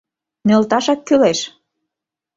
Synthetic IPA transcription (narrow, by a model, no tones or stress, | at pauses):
nølt̪ɑʃɑkːyleʃ